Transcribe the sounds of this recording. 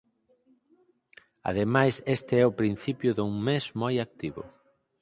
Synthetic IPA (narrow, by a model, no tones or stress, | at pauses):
a̰ð̞emajsest̪ɪɛʊpɾin̟θipjʊðuŋmesmojak̚t̪iβʊ̰